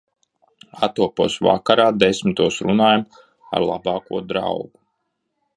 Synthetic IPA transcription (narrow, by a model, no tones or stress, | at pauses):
at̪uɔpuɔsva̰kaɾaːd̪esmit̪uɔsɾunaːjam | a̰ɾlˠabɑːkuɔd̪ɾa̰wɡu